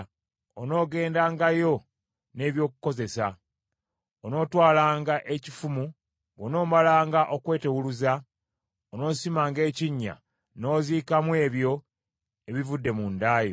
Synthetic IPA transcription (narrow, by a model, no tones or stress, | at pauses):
ono̞ːɡe̞ːndaːŋɡajo̞ | ne̞ːβjo̞ːkuko̞ze̞sa | ono̞ːtwaːlaːŋɡaʔe̞cifumu | βono̞ːmalaːŋɡaʔo̞kwe̞ːte̞wuluza | ono̞ːsimaːŋɡe̞ːciɲːa̰ | no̞ːziːkamwe̞ːβjo̞ | e̞βivudːe̞mundaːjo̰